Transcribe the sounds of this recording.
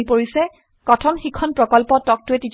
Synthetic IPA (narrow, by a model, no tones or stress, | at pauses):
ipoɹisɛ | kɔtʰɔnxikʰɔnpɹɔkɔlpɔtɔk̚tʊɛtit